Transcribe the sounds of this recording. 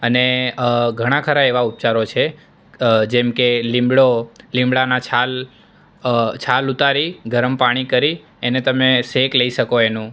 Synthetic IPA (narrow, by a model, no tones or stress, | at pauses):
əneɡʱəɽ̃ãkʰəɾaeʋaup̚t͡ʃaɾot͡ʃʰe | d͡ʒɛmkelĩmbɽolĩmbɭanat͡ʃʰal | t͡ʃʰalut̪aɾiɡʱəɾəmpaɽ̃ikəɾi | enet̪əmesekləiʃəkoenũ